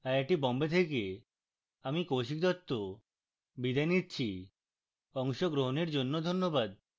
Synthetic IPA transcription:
aɾeʈibɔmbet̪ʰeke | amikowʃik̚d̪ɔt̪ːo | bid̪ʱajnit̪ːt͡ɕʰi | ɔŋʃoɡɾoɦoneɾd͡ʑonːod̪ʱonːobad̪̚

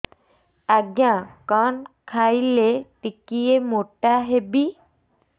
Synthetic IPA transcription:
aɡjãkankʰajleʈikijemoʈaɦebi

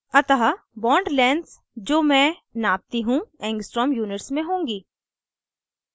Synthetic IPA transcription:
ɐt̪əɦa | bɔːɳɖlɛ̃ːnɖs | d͡ʒoːmɛ̃naːp̚t̪iɦũɛ̃ːŋɡsʈɾɔːmjuːnɪʈsmẽɦõːŋɡiː

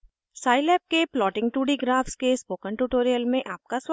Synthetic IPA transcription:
saːɪlɛːp̚keplɔːʈɪ̃ŋɡʈuːɖiɡɾaːfskespoːkə̃ɳʈuʈoːɾijəlmẽʔaːp̚kas

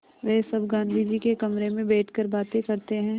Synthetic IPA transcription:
ʋɛsɐbɡãːnd̪ʱid͡ʒikekɐmɾemẽbɛːʈʰkəɾbaːt̪ekɐɾt̪eɦɛ̃ː

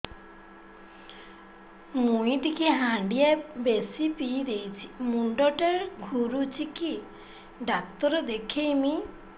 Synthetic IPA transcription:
muĩt̪ikʰiɦaɳɖiabesipiːd̪ejt͡ʃʰi̥muɳɖɔʈaɾɡʱuɾut͡ʃʰiki | ɖak̚t̪ɔɾɔd̪ekʰemi

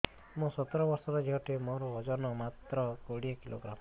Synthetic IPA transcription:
mõsɔt̪ɔɾɔbɔɾsɔɾɔd͡ʒeɦɔʈʰemɔɾɔɔd͡ʒɔnɔmat̪ɾɔkoɽiakilo̰ɡɾam

